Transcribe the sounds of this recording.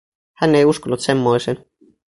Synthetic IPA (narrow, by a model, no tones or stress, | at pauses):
hænːe̞juskolːut̪se̞mːo̞isen